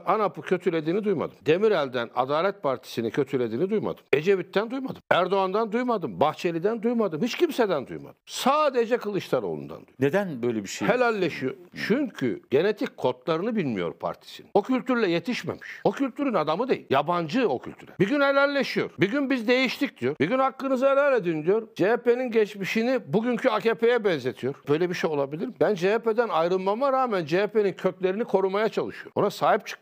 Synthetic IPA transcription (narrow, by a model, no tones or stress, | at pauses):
anapɯcʰø̞t̪ʰylʲed̪iːnid̪ujma̰d̪ɯmd̪e̞miɾælʲd̪æna̰d̪aːlʲɛt̪̚pʰaɾt̪ʰi̥sinicʰø̞t̪ʰylʲe̞d̪iːnid̪ujma̰d̪ɯme̞d͡ʒe̞vit̪ːænd̪ujmad̪ɯmæɾd̪oand̪and̪ujmad̪ɯmbaxt͡ʃʰe̞lʲid̪ænd̪ujmad̪ɯmhit͡ʃcʰimsed̪ænd̪ṵjma̰d̪̥ɯmsaːd̪e̞d͡ʒɛkɯlˠɯʃt̪ˠaɾo̞̰lˠṵnd̪a̰nṵjned̪ænbøjlʲebiʃehelʲælʲːeʃijo̰ɾt͡ʃʰyɲcʰy̰ɟ̥e̞ne̞t̪ʰikʲkʰːo̞t̪lˠaɾɯnɯbilʲmijo̞̰ɾpʰa̰ɾt̪ʰi̥sinio̞cʰylʲt̪yɾlʲɛje̞t̪ʰiʃmḛmi̥ʃo̞cʰylʲt̪ʰyɾynad̪amɯd̪ejḭlʲjaband͡ʒɯocʰy̰lʲt̪ʰyɾɛ̰biɟynhelʲælʲːeʃijo̞̰ɾbiɟynbizd̪e̞jiʃt̪ʰic̚d̪̥ijo̞ɾbiɟynhakːɯnɯzɯɦelʲælʲe̞d̪ind̪ijo̞ɾd͡ʒeepe̞ninɟɛt͡ʃmiʃinibuɟyncʰyacepʰe̞jɛbɛnze̞t̪ʰijo̞ɾ̥bøjlʲebiʃejo̞lˠabilʲiɾmibænd͡ʒeeped̪ænajɾɯlˠmamaɾaːmænd͡ʒeepe̞nincʰøcʲlʲe̞ɾinikʰo̞ɾumajat͡ʃʰalˠɯʃɯjoɾo̞̰nasaːɦip̚t͡ʃʰɯ̥k̪̚